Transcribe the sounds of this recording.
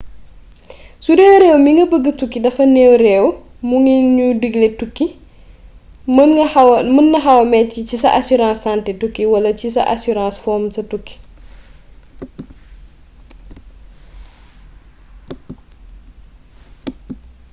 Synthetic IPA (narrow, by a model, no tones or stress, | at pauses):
sudɛːwɾɛːwmiŋɡɐbəɡːətukːidɐfɐnɛːwɾɛːw | muŋiɲudəɡlɛtukːi | m | mɐnːɐɦɐwɐmɛcːicisɐʔasuɾãːsːantɛtukːiwɐlɐcisɐ̰ʔa̰suɾãːsfɔːmsɐtukːi̥